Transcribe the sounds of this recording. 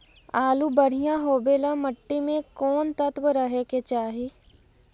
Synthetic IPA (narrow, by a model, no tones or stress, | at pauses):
aːlubəɽ̤ijãɦoːbeːlãməʈːimẽkɔːnt̪ət̪wəɾəɦeket͡ʃaːɦiː